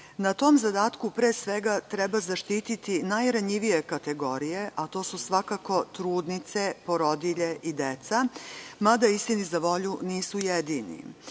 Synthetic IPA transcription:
nat̪o̞mzad̪aːt̪kupɾeːsʋeɡat̪ɾɛbazaʃt̪iːt̪it̪inajɾaɲiʋije̞kat̪e̞ɡo̞ɾije̞ʔat̪o̞ːsusʋakako̞t̪ɾuːd̪nit̪se̞poɾod̪iʎeʔid̪et̪samad̪aist̪inizaʋo̞ʎuniːsujed̪iːnḭ

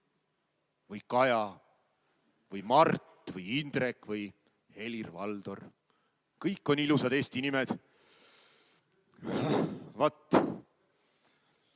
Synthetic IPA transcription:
vɯjkɑjɑ | vɯjmɑrt̪vɯjind̪̥rekːvɯj | he̞lirvɑld̪̥o̞r | kɤjkːo̞nilusɑd̪e̞ːst̪inimed̪̥ | havɑt̪ː

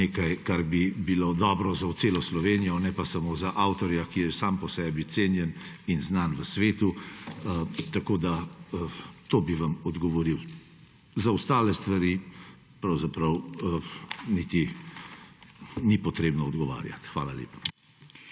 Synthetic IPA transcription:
neːkajkaɾbibilod̪ɔːbɾɔzawt̪seːlɔslɔʋeːnijɔnɛpasamozaʔawt̪ɔɾjakijɛsaːmpɔsɛbiseːnjɛn | inznanʋəsʋeːt̪u | t̪akoːd̪a | t̪oːbiʋamɔd̪ɡɔʋɔɾiw | zaust̪aːlɛst̪ʋaɾi | pɾɐwzapɾɐw | nit̪i | nipɔt̪ɾeːbnɔɔd̪ɡɔʋa̰ːɾja̰t̪xʋa̰ːla̰ljḛːpḁ

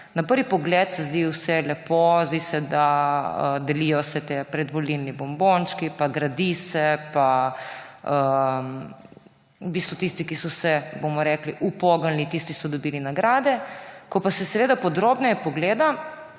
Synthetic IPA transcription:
napəɾʋipɔɡlɛt̪sɛzd̪iwsɛlɛpozd̪isɛd̪aə̰d̪ɛlijɔsɛt̪epɾɛd̪ʋɔlilnibɔmbont͡ʃkipaɡɾad̪isɛpa | ə | ubiːst̪ʋɔt̪ist̪ikisɔsɛbomɔɾɛːkliʔupɔɡənlit̪ist̪isɔd̪ɔbiːlinaɡɾaːd̪ɛkɔpasɛsɛʋeːd̪apɔd̪ɾoːbnɛjɛpɔɡleːd̪a

